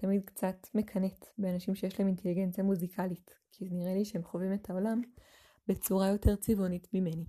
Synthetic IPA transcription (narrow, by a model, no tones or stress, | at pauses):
tamid̪̚kt͡satme̞kʰɐnetbeanaʃimʃejeʃlaeminte̞liɡe̞nt͡sijamuzikʰalit | kʰizniʁeliʃehemχovimetʰao̞lam | bet͡suʁajo̞te̞ʁt͡sivonitmime̞ni